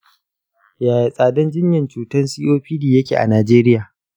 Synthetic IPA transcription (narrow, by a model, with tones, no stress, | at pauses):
jaː˨ji˨sʼaː˨dɐ˦nd͡ʒɪ˦ɲjɐ˨nt͡ʃuː˨tɐ˦nsiː˦ʔoː˦ɸiː˦diː˨jɐ˦kʲḛː˨ʔa̰˨naː˨d͡ʒeː˦ɾɪ˦jaː˨